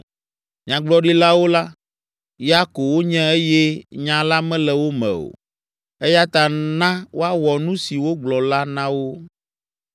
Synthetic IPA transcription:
ɲã˨ɡ͡blɔ˦ɖi˦la˦wo˦la˦ | ja˦ko˨wo˦ɲɛ̃˦e˦jɛ˦ɲã˨la˦mɛ̃˦lɛ˨wo˦mɛ̰̃˨o̰˨ | e˦ja˦t̪a˨nã˦wo˦a˦wɔ˨nũ˦si˨wo˦ɡ͡blɔ˨la˦nã˦wo˦

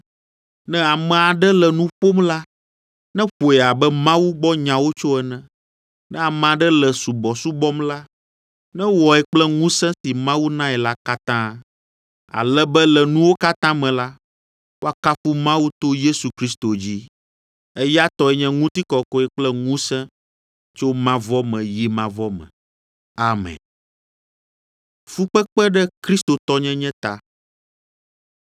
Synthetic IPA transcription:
nɛ̃˦a˨mɛ̃˨a˨ɖɛ˦lɛ˨nũ˦ɸo˦mla˦ | nɛ̃˦ɸo˨ɛ˨a˨bɛ˦mã˦wu˦ɡ͡bɔ˦ɲã˨wo˦t͡ʃo˦ɛ˦nɛ̃˨ | nɛ̃˦a˨mɛ̃˨a˨ɖɛ˦lɛ˨su˨bɔ˨su˦bɔ˦mla˦ | nɛ̃˦wɔ˨ɛ˨k͡plɛ˦ŋũ˦sɛ̃˦si˨mã˦wu˦nã˦ɛ˨la˦ka˦t̪ã˦ | a̰˨lɛ˦bɛ˦lɛ˨nũ˦wo˦ka˦t̪ã˦mɛ̃˨la˦ | wo˦a˨ka˦fu˦mã˦wu˦t̪o˦je˦su˨kɾi˦st̪o˨d͡ʑi˦ | e˦ja˦t̪ɔ˨ɛ˨ɲɛ̃˦ŋũ˦t̪i˦kɔ˨kɔ˦ɛ˨k͡plɛ˦ŋũ˦sɛ̃˦ | t͡ʃo˦mã˦vɔ˦mɛ̃˨ji˦mã˨vɔ˦mɛ̰̃˨ | a˨mɛ̰̃˨ | fu˦k͡pɛ˦k͡pɛ˦ɖɛ˦kɾi˦st̪o˨t̪ɔ˦ɲɛ̃˦ɲɛ̃˦t̪a˨

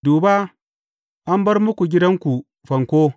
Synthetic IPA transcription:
duː˨baː˦ | ʔa˦mbɐ˦rmʊ˦kʷu˨ɡʲɪ˦dɐ˦ŋkʷu˨ | ɸɐ˨ŋkʷoː˦

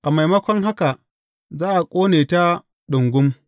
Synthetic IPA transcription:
ʔa˨ma˨jmɐ˦kʷɔ˦ŋɦa˦ka˨ | zaː˦ʔa˨kʷʼoː˦neː˨ta˦ | ɗʊ˨ŋɡʷʊ˦m

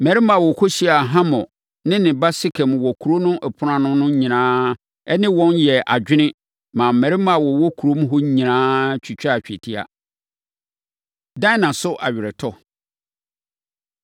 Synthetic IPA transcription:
mɛ˨ɾɪ˦mã˨wɔ˨kʰo˦ɕi˦a˨ɦã˦mɔ̃˨ | nɪ̃˦nɪ̃˨ba˦sɪ˦kʰɛ̃˨mwɔ˨kʰu˨ɾo˦nʊ̃˦ʔɛ˨pʰʊ˨˦ɾã˨nʊ̃˦nʊ̃˦ɲĩ˨nãː˦ | ɛ˦nɪ̃˦wɔ̃˦njɛ˨ʔa˨d͡ʑᶣɪ˦ɪ̃˦ | mã˨m̩˨mɛ̃˨ɾɪ˦m˦a˨wɔ˨wɔ˦kʰu˨ɾo˦m˦ɦɔ˦ɲĩ˨nãː˦t͡ɕᶣʰi˨t͡ɕᶣa˨t͡ɕᶣɛ˨tʰi˦a̰˨ | dã˦nã˨sʊ˦ʔa˨ɥɪ˨ɾɛ˨tʰɔ˦

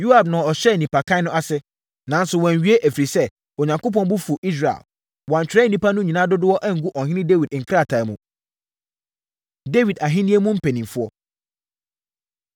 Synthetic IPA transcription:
ju˦a˨b̚nʊ̃˨ɔ˨ɕɛ˦˨nĩ˨pʰa˨kʰã˦nʊ̃˦a˦sɪ˦ | nã˨˦n̩˦sʊ˨wɔ̃˨ɲ˨ɥi˦e˦ʔæ˨fɾi˨sɛ˦ | o˨ɲã˨ŋkʰo˦pʰɔ̃˦n˦bʊ˦fu˨ʔi˦s̬ɾa˨ḛ˨l | wɔ˨ã˨ɲt͡ɕᶣɪ˨ɾɛ˦n˨˦nĩ˦pʰa˦nʊ̃˦ɲĩ˨nã˦dʊ˦dʊ˦wɔ˦ʔɛ˦ŋ̩˨ɡu˦ʔɔ˨ɦɪ̃˦nɪ̃˦de˦wi˨dŋ̩˨kʰɾa˦˨tʰã˨˦mũ˦ | de˦wi˨da˨ɦɪ̃˦nĩ˦e˦mũ˦m̩˦pʰe˨nĩ˨mfʊ˦ɔ˦

